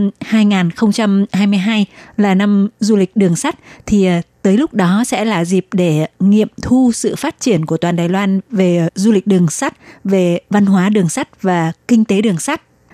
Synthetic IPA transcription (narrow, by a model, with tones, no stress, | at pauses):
haː˧jŋaː˨˩nxə˧wŋ͡mt͡ɕa˧mhaː˧jmɨ˧əjɦaː˧jlaː˨˩na˧mzu˧lï˨˩k̟̚ɗɨ˨˩əŋsa˦˥t̚t̪ʰi˨˩˨t̪əː˨˦jlʊ˦˥k͡p̚ɗɔ˨˦sɛ̰˧˥laː˨˩zi˨˩p̚ɗe˧˩ŋḭ˧˨əmt̪ʰu˧sɨ̰˧˨faː˦˥t̚t͡ɕi˧˩ənku˧˩ət̪waː˨˩ɗaː˨˩jlwaː˧nve˨˩zu˧lï˨˩k̟̚ɗɨ˨˩əŋsa˦˥t̚ve˨˩va˧nɦwaː˨˦ɗɨ˨˩əŋsa˦˥t̚vaː˨˩kï˧ŋ̟t̪e˨˦ɗɨ˨˩əŋsa˦˥t̚